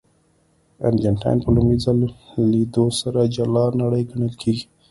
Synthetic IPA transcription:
a̰nd͡ʒanʈa̰jnpəlumizallid̪osaɾad͡ʒalɑnaɽəjɡaɳəlkʰeɡi̥

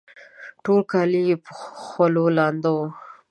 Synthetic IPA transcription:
ʈolkɑliepəxwalolɑnd̪aw

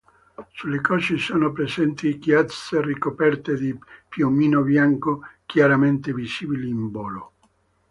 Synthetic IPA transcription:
sulːekɔt͡ʃisoːnopɾezɛnt̪iɡjaserikopɛrt̪ed̪ipjomiːnobjaŋkokjaɾament̪eviziːbiliːmbɔːlo̰

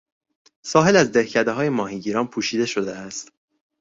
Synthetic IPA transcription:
sɒːɦe̞læzd̪ehcʰæd̪eɦɒːje̞mɒːɦiːɟiːɾɒːnpʰuːʃiːd̪e̞ʃo̞d̪eæst̪

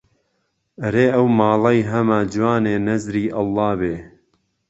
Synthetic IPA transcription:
ɐɾeːʔɐwmɑːlɐjɦɐmad͡ʒwaːneːnɐzɾiːʔɐlˠːɑːbeː

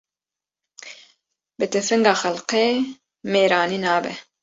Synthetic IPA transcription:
bɨt̪ɛfɨŋɡɑːxɐlqeː | meːɾɑːniːnɑːbɛ

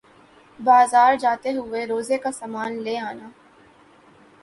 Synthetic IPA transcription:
baːzaːɾd͡ʒaːt̪eɦʊeɾoːzekasaːmaːnleːaːnaː

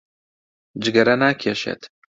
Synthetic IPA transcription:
d͡ʒɪɡɐɾɐnaːkʰeːʃḛt̪

